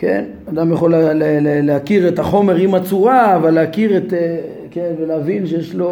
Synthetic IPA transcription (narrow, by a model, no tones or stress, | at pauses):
kḛn | ad̪amjaχo̞lleleleakiʁet̪aχo̞meʁimat͡suʁaːvalːeakiʁet̪e | kenveleavinʃejeʃlo̞